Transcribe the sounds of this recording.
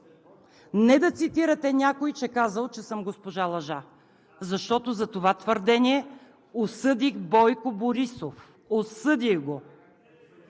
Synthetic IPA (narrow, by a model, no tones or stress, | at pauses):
nɛd̪ɐt̪sit̪iɾət̪ɛnʲakojt͡ʃɛkazəlˠt͡ʃɛsɤmɡospoʒalˠɐʒa | zɐʃt̪ɔt̪ozɐt̪ovat̪vəɾd̪ɛniɛ | osɤd̪ixbɔjkoboɾisof | osɤd̪iɡo